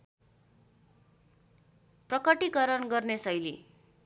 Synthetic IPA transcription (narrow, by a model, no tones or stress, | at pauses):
prʌkʌʈikʌɾʌnɡʌrnesʌjlḭ